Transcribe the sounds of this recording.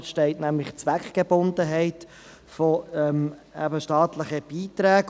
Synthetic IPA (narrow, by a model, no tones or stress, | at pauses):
ʃtɛɪtnæmlɪχt͡sʋækɡ̥ebʊnd̪əɦɛɪt | fɔɛmɛ̰æ̰bəʃtɑːtlɪχəb̥iːtɾæːɡ